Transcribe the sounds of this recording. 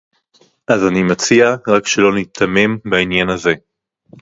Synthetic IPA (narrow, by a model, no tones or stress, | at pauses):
ʔazanimat͡siaʁakʃelo̞nit̪ʰame̞mbainjanaze̞